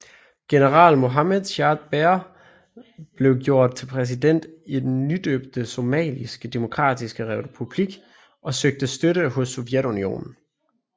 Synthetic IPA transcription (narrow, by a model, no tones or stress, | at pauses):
ɡ̥e̝nəʁɑ̰̈ːlmo̝ɦɑmeðˠɕɑːd̥b̥eɐ | b̥le̝ʊɡjo̝ɐ̰d̥̚t͡sʰe̝lpʰʁɛs̬id̥en̰d̥id̥enːyd̥øːb̥̚d̥əso̝mɛ̰ːlisɡ̥əd̥emo̝kʰʁɑ̰̈ːd̥isɡ̥əʁɛpʰub̥liɡ̥ | ʔɒ̽søɡ̥̚d̥əsd̥øɾəhɦɔ̽sːoʋjed̥unio̝̰ːnn̩